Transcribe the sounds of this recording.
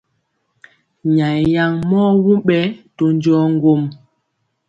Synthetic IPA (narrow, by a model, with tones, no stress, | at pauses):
ɲa˨jja˨ŋmɔː˦wu˦ɓɛ˦to˦nd͡ʒɔ˦ŋ̩˦ɡo˦˨m